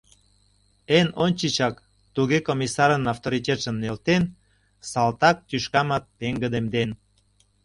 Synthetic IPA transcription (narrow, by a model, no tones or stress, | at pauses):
enonʲt͡ɕit͡ɕɑk | t̪uɣekomisɑɾənɑft̪oɾit̪ʲet̪ʃə̆nnːelt̪en | sɑlt̪ɑk̚t̪yʃkɑmɑt̪̚peŋɡəd̪emd̪en